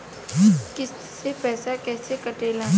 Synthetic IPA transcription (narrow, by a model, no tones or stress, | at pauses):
kɪ | sepɛːsakɛːsekɐʈeːlã